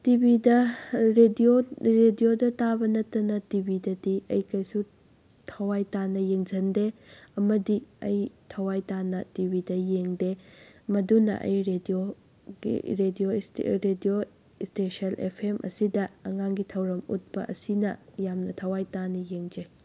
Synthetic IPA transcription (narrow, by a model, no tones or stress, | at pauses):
tibidɐɾedioɾediodɐtabɐnɐtːɐnɐtibidɐdiɐjkɐjsu | tʰɐwajtanɐjeŋzʰɐndeɐmɐdiɐ̰jtʰɐwajtanɐtibidɐjeŋdemɐdunɐ̰ʔɐ̰jɾedio | ɡḭɾedioɾedio | stesɐlʔḛpʰemʔɐ̰sidɐːŋaŋɡitʰɐwɾɐmṵt̚pɐ̰ʔɐsinɐjamnɐtʰɐwajtanɐjeŋd͡ʒe